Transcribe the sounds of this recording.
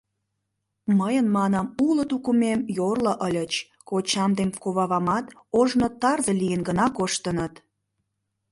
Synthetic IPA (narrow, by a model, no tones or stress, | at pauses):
məjənmɑnɑmulət̪ukumemjorlə̆ʔəlʲət͡ɕ | kot͡ɕɑmd̪emkoβɑβɑmɑt̪oʒnot̪ɑrzəlʲijənɡənɑkoʃt̪ənət̪